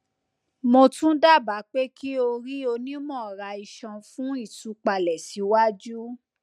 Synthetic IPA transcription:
mo˧tũ˦da˦˨ba˨˦k͡pe˦kʰi˦o˧ɾi˦o˧nĩ˦mɔ̃˦˨ɾa˧i˧ʃɔ̃˧fũ˦i˦˨tu˧˦k͡pa˧lɛ˨si˨˦wa˦d͡ʒu˦

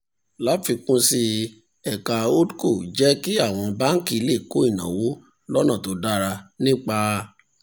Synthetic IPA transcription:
la˨˦fi˧kũ˦si˧ | ɛ˨ka˨o˦dko˦˨d͡ʒɛ˦ki˦a˦˨w̃ɔ̃˧ba˦ŋ̩˦ki˦˧˨le˦˨ko˦i˦˨nã̰˨wo˦ | lɔ˦nã˦˨to˨˧˦da˦ɾa˧nĩ˦k͡pa˧

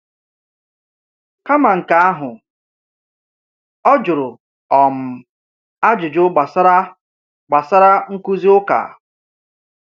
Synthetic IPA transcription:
ka˦ma˨ŋ̩˨ka˨a˦ɦʊ˨ | ɔ˦d͡ʒʊ˨ɾʊ˨ | ɔ˨m̩˨ | a˦d͡ʒʊ˨d͡ʒʊ˦ɡ͡ba˨sa˦ɾa˦ | ɡ͡ba˨sa˦ɾa˦ŋ̩˦ku˦zi˦ʊ˦ka̰˨

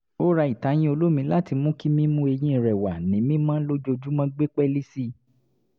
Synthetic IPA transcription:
o˦ɾa˧˦i˨ta˨˦j̃ĩ˦o˧lo˦mĩ˧˦la˦ti˧mũ˦ki˦mĩ˦mũ˦e˧j̃ĩ˧ĩ˨ɾɛ˨wa˨nĩ˨˦mĩ˦mã˦lo˦d͡ʒo˧d͡ʒu˦mã˦ɡ͡be˦k͡pɛ˦li˦si˦

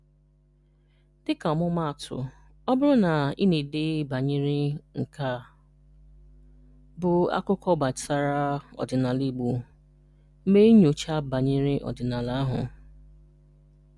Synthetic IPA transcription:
d̥ɪ˦ka˨ɔ˨mʊ˦ma˦a˨tʰʊ̰˨ | ɔ˦bʊ˦ɾʊ˦na˨ḭ˦ni˨de˦ba˨ɲi˦ɾɪ˦ŋ̩˨ka˦ | bʊ˨a̰˦kʊ˦kʰɔ˦ba˨sa˦ɾa˦ɔ̰˨dɪ˨na˨li˨ɡ͡bu˨˦ | me˦ɲo˨t͡ʃa˦ba˨ɲi˦ɾɪ˦ʔɔ̰˨dɪ˨na˨la˦a˦ɦʊ̰˨

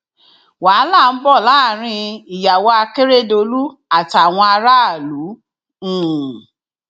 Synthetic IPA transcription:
wa˨˦la˦˨n̩˦bɔ˦˨la˨˦˨ɾ̃ĩ˧i˨ja˨wɔ˧˦a˧ke˦ɾe˦do˧lu˦a˨ta˨w̃ɔ̃˧a˧ɾa˦a˦˨lu˨˦ | ũ˦˨

